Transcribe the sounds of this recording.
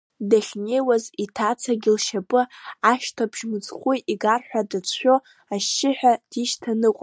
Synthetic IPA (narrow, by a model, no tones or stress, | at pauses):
daɬʲnejwazitʰat͡sʰaɡʲɪlʃapʼɨaʃtʰabʒmɨt͡sχʷujiɡarħʷᶣadat͡sʷʰᶣo̞ | aʃːɪħᶣad̥iʃtʰanɨqʷʼ